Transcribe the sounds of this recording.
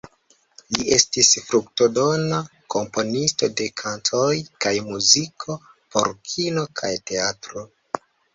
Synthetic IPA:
liʔe̞stisfɾukto̞do̞nakʰo̞mpo̞nisto̞de̞kʰantʰojkajmuzikʰo̞ | po̞̰ɾkʰino̞kʰa̰jte̞atɾo̞

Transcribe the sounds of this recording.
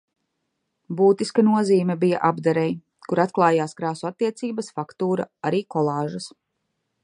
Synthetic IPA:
buːt̪iskanuɔziːmʲɛbija̰ʔabd̪aɾɛj | kuɾat̪klˠaːjaːskɾaːsuat̪ːiɛt̪siːbɐsfakt̪uːɾa̰aɾiːkɔlˠɑːʒɐs

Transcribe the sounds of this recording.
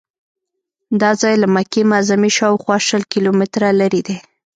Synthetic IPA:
d̪ɑzɑjlamakemazamiʃɑwxwɑʃəlkilomɪt̪ɾalaɾid̪e

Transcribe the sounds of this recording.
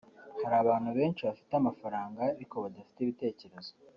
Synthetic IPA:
haɾaːβaːnhuβe̞ːnt͡ʃiβafi̥tamafaɾaːŋɡaeɾiko̞βadafi̥teβite̞ːce̞ɾe̞zo

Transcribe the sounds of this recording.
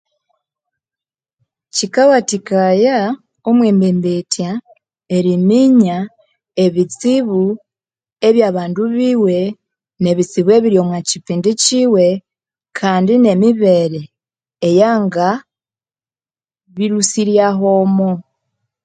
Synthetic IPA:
cikawatikaja | omweːmbeːmbetja | e̞ɾimiɲa | eβit͡siβu | e̞βjaːβaːnduβiːwe̞ | ne̞βit͡siβwe̞βiɾjo̞mwacipiːndiciːwe̞ | kʰaːndine̞miβe̞ɾeː | jaːŋɡa | βiɾusiɾjaɦomo

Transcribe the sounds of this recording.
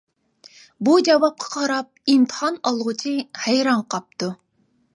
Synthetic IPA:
bud͡ʒɛvɑp̚qʰɑ̥qʰɑɾɑp̚imt̪ʰə̥hɑnɑlˠʁʊt͡ʃʰihæjɾɑɴqʰɑp̚t̪u

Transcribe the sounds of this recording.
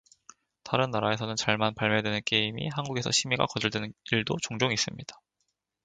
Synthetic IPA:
taɾɯnːaɾae̞s̬ʰʌnɯnt͡ɕaɭmanpaɭmedwe̞nɯnk͈eimḭhanɡuɡe̞sʰʌɕʰimiɡa̰kʌd͡ʑɯɭdwenɯniɭdot͡ɕoŋd͡ʑoŋis͈ɯmɲid̥ḁ

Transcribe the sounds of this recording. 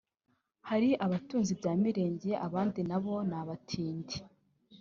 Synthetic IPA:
haɾiʔaβatuːnzibɟaːmiɾe̞ːɲɟeʔaβaːndinaβo̞naβatʰiːndi̥

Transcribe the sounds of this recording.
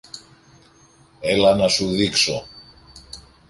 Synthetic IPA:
elɐnɐsuðikso̰

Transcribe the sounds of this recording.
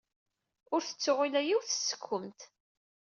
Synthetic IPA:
ʊɾθə̥t͡sːʊʁilæjiwθə̥sə̥kʰʷːəmt̪

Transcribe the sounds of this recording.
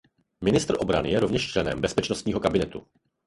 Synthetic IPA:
mɪnɪst̪r̩ʔo̞bɾa̰nɪjɛɾovɲɛʃt͡ʃlɛnɛ̰mbɛspɛt͡ʃnost̪ɲiːɦo̞kabɪnɛt̪u

